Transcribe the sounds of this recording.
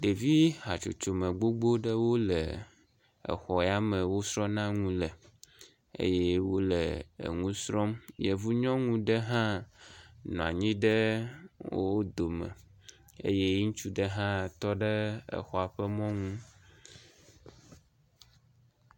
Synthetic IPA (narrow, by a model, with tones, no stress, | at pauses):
ɖe˨vi˦ɦa˨t͡ʃo˨t͡ʃo˨mə̃˨ɡ͡bo˦ɡ͡bo˦ɖə˦wo˦lə˨ | ɛ̰˨xɔ˨˦a˦mə̃˨wo˦sɾɔ̃˦nã˦ŋũ˦lɛ˨ | ḛ˦jɛ˦wo˦lɛ˨ḛ˨ŋũ˦sɾɔ˦mje˨vu˦ɲɔ̃˦ŋũ˦ɖə˦ɦã˦ | nɔ̃˨a̰˨ɲĩ˦ɖə˦wo˦wo˦d̪o˨mɛ̰̃˨ | ḛ˦je˦ŋũ˦t͡ʃu˦ɖə˦ɦã˦t̪ɔ˦ɖə˦ɛ̰˨xɔ˨a˨ɸɛ˦mɔ̃˦ŋũ˦